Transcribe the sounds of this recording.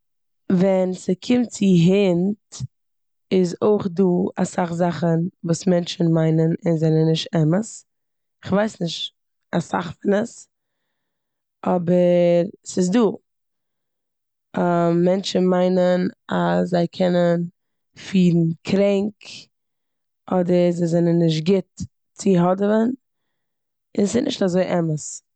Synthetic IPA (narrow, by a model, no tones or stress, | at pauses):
vɛnsəkʰɪmt̚t͡sɪɦɪnt | ɪzoɪχduːasaχzaχənvuːsmɛnt͡ʃn̩maɪnənɪnzɛnənɪʃtɛməs | ɪχvaɪsnɪʃt | asa̰χfɪnəs | ɔbəɾsɪs̬duː | mːɛnt͡ʃn̩maɪnənaszaɪkʰɛnən | fiːɾn̩kʰɾɛŋk | ɔdəɾzaɪzɛnənːɪʃ̬tɡɪt | t͡sɪɦɔdəvən | ɪnsɪnʔɪ̰ʃtazoɪʔɛməs